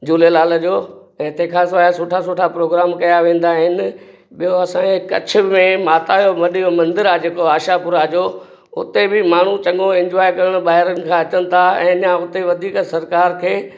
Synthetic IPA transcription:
d͡ʑuːlelaːləd͡ʑoː | ɛ̃ːt̪ekʰãsʋaːasoːʈʰasoːʈʰapɾoːɡɾaːmkɐjaʋẽːn̆d̪aɦɪnɪ̆ | ɓijoɐsãekɐ̰t͡ɕʰʊ̆mẽmaːt̪aːjoʋɐɗijomɐ̃nd̪ɪɾaːd͡ʑeːkoaːʃapʊɾad͡ʑoː | ʊ̰t̪ebɪmaːɳ̤ut͡ɕɐ̃ŋɡoɪ̃ɲd͡ʑʋaːɪkɐɾəɽ̃ʊ̆ɓaːɦɪɾənɪ̆kʰãːɐt͡ɕənɪ̆t̪ʰaɛ̰̃ːɐɲãʊt̪eʋɐd̪ʱiːksɐɾkaːɾkʰeː

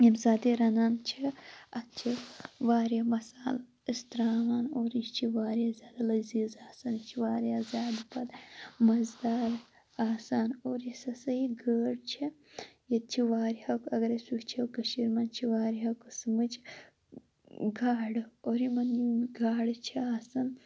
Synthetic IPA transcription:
jimzaːd̪iɾɐnant͡ʃʰiɐt̪̚t͡ʃʰiʋaːɾjɐmɐsaːl | ist̪ɾaːmaːnoːɾit͡ʃʰiʋaːɾjazʲaːd̪ɐlɐziːzaːsant͡ʃʰiʋaːɾjaːzaːd̪pɐlmɐzd̪aːɾ | aːsaːnoːɾjisɐsɐiɡəːɽt͡ʃʰi | jɐt̪̚t͡ʃʰiʋaːɾihɐkɐɡɐɾɐsukt͡ʃʰekɐʃiɾmɐnt͡ʃʰiʋaːɾiɦɐkɨsɨmɨt͡ʃʰi̥ | ɡaːɖɨoːɾimɐnjiɡaːɖɨt͡ʃʰiaːsɐn

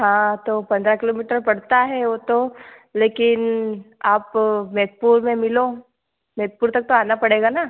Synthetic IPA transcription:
ɦãːt̪opɐ̃nd̪ɾakɪloːmiːʈəɾpɐɽt̪aɦɛʋot̪o | leːkɪnaːpmeːt̪̚puːɾmẽmɪlo | meːt̪̚puːɾt̪ɐk̚t̪oaːnapɐɽeːɡana

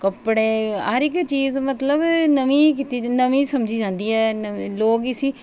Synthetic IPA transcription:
kəpɽeːəɾɪkt͡ʃiːzmət̪ləbnəʋĩːkɪt̪iːnəʋĩːsəmd͡ʒiːd͡ʒãːnd̪iːɛːnloːɡiːsiː

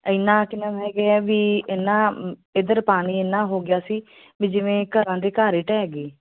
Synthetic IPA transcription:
əɪnãːkɪnaːɦɛːɡeːɛːʋiːɪnãːɪd̪əɾpaːñiːɪnːãːɦoːɡɪjaːsiː | ʋiːd͡ʒɪʋẽːkəɾãːd̪eːkaːɾeːʈɛːɡeː

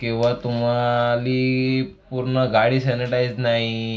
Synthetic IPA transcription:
kĩw̃ʋat̪um̤aliː | puɾɳəɡaɽiːsɛniʈajd͡znaɦi

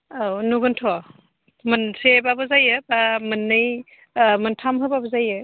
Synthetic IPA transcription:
awnuɡɯntʰɔ | mɯnsebabɯzajɯbamɯnːɯj | mɯntʰamɦɯbabɔzajɯ

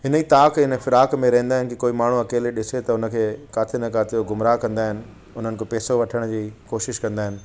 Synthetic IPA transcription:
ɦɪnəiːt̪aːkɪnəfɪɾaːkmẽɾɐɦẽnd̪aːɦɪnɪkikoːimaːɳ̤uɐkeːleɗɪset̪ɐʊnə̆kʰeːkaːt̪ʰenɐkaːt̪ʰijoɡʊmɾaːkɐ̃nd̪aːɦɪnɪ̆ | ʊn̤ənɪkʰepɛːsoʋɐʈʰəɽ̃d͡ʑiːkoːʃɪʃkɐ̃nd̪aːɦɪnɪ̆

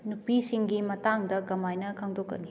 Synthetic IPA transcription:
nupisiŋɡimɐtaŋdɐɡɐmajnɐkʰaŋdokːɐ̰ni

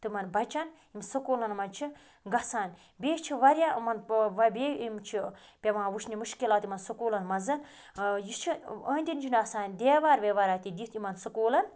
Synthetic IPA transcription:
t̪ɨmɐnbɐt͡ʃɐn | imsɨkoːlɐnmɐnt͡ʃʰi | ɡɐsaːnʲ | bʲeːt͡ʃʰiʋɐɾʲjamɐnʋɐbeːimt͡ʃʰi | pʲeʋãːʋuʃʰnimuʃkilaːt̪imɐnsɐkuːlɐnmɐzɐn | jit͡ʃʰiəːnʲd̪ʲind͡ʒinɐsaːnʲd̪eːʋaːɾʋeːʋaːɾaːt̪id̪it̪imɐnsɐkoːlɐn

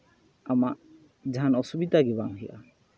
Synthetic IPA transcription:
amaʔ | d͡ʒanɔsubid̪aɡibaŋɦijʔa̰

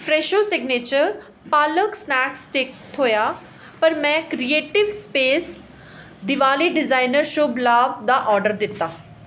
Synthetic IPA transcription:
fɾeːʃosɪɡnet͡ɕəɾ | paːləksnɛːksʈ̪ɪk̚t̪ʰoːja | pɐɾmɛ̃kɾieːʈɪʋspeːs | d̪ɪʋaːliɖɪzaːɪnəɾʃoːblaːbd̪aʔɔːɾɖəɾd̪ɪt̪a

